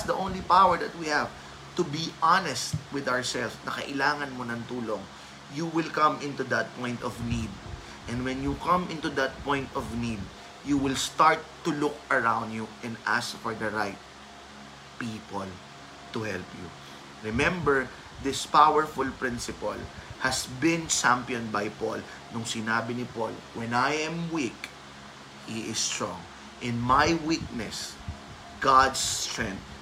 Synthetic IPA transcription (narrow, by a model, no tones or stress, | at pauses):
sd̪ɐʔõw̃nlipawəɹd̪ɐt̪̚wihæv | t̪ʊbiʔanɛst̪̚wɪd̪aɹsɛlfsnɐkɐ̰ʔɪlaːŋɐnmonɐŋt̪uːloŋ | juwɪlkɐ̃mʔɪ̃nt̪ud̪ɐt̪̚pɔ̃j̃nt̪ɔvnid̪̚ | ʔɛ̃nd̪wɛ̃njukɐ̃mʔɪ̃nt̪ud̪ɐt̪̚pɔ̃jnt̪ɔvnid̪̚ | juwɪlst̪aɹt̪ːʊlʊk̚ɐɹãwnd̪juʔɛ̃nd̪ʔa̰skfɔɹd̪ɐɹajt̪̚ | pipɔl | t̪ʊhɛlpju | ɹɪmɛ̃mbɛɹ | ðɪspawəɹfʊlpɹɪ̃nsɪpɐ̰lhɐsbɪ̃nt͡ʃãmpjɔ̃n̚bajpɔ̰l | nʊŋsɪnaːbɪnɪpo̰l | wɛ̃najɛ̃mwik | iʔɪst̪ɹɔ̰̃ŋ | ʔɪ̃nmajwik̚nɛs | ɡad̪st̪ɹɛ̃nt̪̚